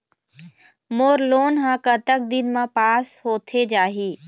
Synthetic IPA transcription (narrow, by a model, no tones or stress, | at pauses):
moːɾloːnɦãːkət̪ək̚d̪ɪnmãpaːshoːt̪ʰed͡ʒaːɦiː